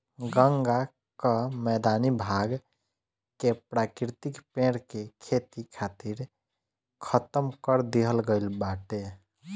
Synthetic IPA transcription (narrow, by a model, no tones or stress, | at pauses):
ɡəŋɡa | kəmɛd̪anibʱaɡ | kepɾakɾit̪ikpẽɽkekʰet̪ikʰat̪iɾ | kʰət̪əmkəɾd̪eɦəlɡəɪlbaʈe